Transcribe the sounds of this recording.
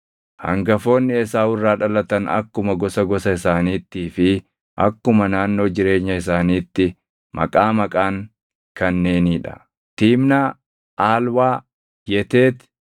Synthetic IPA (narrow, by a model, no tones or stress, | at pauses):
hɐ̰ŋɡɐfo̞ːnːɪɛsaːwʊrːaːᶑɐlɐt̪ɐnɐ̰kːʊmɐɡɔsɐɡɔsɐɪsaːniːt̪ːiːfɪ | ʔɐ̰kːʊmɐnaːnːo̞ːd͡ʒɪɾe̞ːɲːɐɪs̬aːniːt̪ːɪ | mʔɐ̰kʼaːmɐkʼaːŋ | kɐnːe̞ːniːᶑɐ̥̰ | t̪iːmnaː | ʔaːlwaː | jɛt̪eːt̪